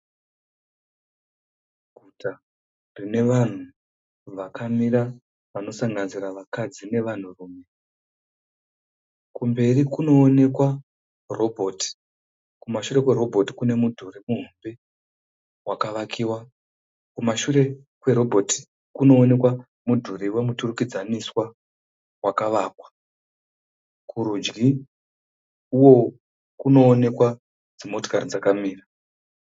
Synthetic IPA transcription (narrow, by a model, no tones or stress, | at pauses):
ɡʱuta | rine̞ʋan̤u | ʋakʰamiɾa | ʋano̞saŋɡanziɾaʋakad͡zine̞ʋan̤uruːme̞ | kumbe̞rikuno̞ːne̞kwa | ro̞bʱoːti̥ | kumaʃure̞kwe̞ɾo̞bʱo̞ti̥kune̞mudʰʱuremuɦumbe | wakaʋakʰiwa | kumaʃuɾe̞ | kwe̞ɾo̞bʱo̞ti̥ | kuno̞ːne̞kwa | mudʱuriwe̞muturukid͡zaniswa | wakaʋaːkwḁ | kʰuɾud͡ʒɡi | uwo̞ | kuno̞ːne̞kwa | d͡zimo̞to̥karid͡zakamiːra